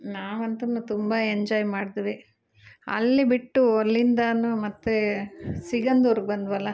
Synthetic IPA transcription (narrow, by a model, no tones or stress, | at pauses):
naːʋɐnt̪ɐnːut̪umbɐeɲd͡ʒɔːjmaːɽid̪iʋi | ɐ̰lːibiʈːuɐlːind̪ɐnumɐt̪ːesiɡɐnd̪oɾuɡ̚bɐnd̪ʋɐlːɐ